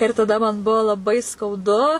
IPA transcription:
ɪr tɐˈdɐ mɐn ˈbʊʋoː lˠɐˈbɐɪ skɐʊˈdʊ

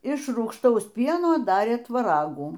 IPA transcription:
ɪʃ ruːkʃˈtɐʊs ˈpʲiɛnoː ˈdɑːrʲeː tʋɐˈrɑːɡuː

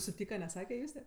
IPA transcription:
sʊˈtʲiːkɐ nʲɛˈsɑːkʲɛ ˈjʊsʲtʲɛ

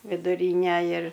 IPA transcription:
ʋʲɪdʊˈrʲiːnʲɛ ɪr

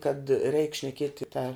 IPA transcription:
kɐt rʲɛɪk ʃʲnʲɛˈkʲiɛtʲɪ tɐ

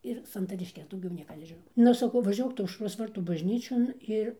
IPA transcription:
ɪr sɐntɐrʲɪʃʲˈkʲɛs dɐʊˈɡʲɛʊ ˈnʲiɛkɐ nʲɛʒʲɪˈnɐʊ ˈnʊ sɐˈkɐʊ ʋɐˈʒʲuɔk ˈtʊ ɐʊʃˈroːs ˈʋɐrtuː bɐʒʲˈnʲiːt͡ʃʲoːn ˈɪr

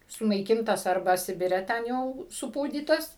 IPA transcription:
sʊnɐɪˈkʲɪntɐs ˈɐrbɐ ˈsʲɪbʲɪrʲɛ ˈtʲɛn jɛʊ sʊˈpuːdʲiːtɐs

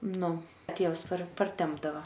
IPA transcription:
ˈnʊ ˈtʲeːws pɐr pɐrʲˈtʲɛmbdɐʋɐ

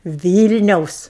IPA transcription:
ˈʋʲiːlʲnʲɛʊs

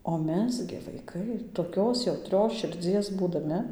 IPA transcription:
oː ˈmʲɛs ɡʲɪ ʋɐɪˈkɐɪ toːˈkʲoːs jɛʊˈtʲrʲoːs ʃʲɪrʲˈd͡zʲiɛs buːdɐˈmʲɪ

